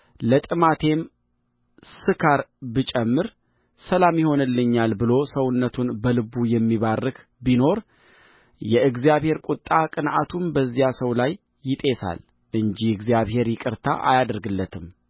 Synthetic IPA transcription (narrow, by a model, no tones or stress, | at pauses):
lət̪ʼɨmat̪ʰe̞m | sɨkʰaɾbɨt͡ʃʼɛmːɨɾ | səlamjɪho̞nɨlːɨɲːalbɨlo̞səwʊnːət̪ʰunbəlɨbujɛmːiβarːɨk | bino̞ɾ | jɛɨɡzijaβhe̞ɾkʼut̪ʼːakʼɨnʔat̪ʰunbəzːijasəwlajː | ɪt̪ʼe̞sa̰l | ʔɨɲd͡ʒiɨɡzijaβhe̞ɾjɪkʼɨɾt̪ʰa̰ʔa̰jad̪əɾɡɨlːət̪ʰɨm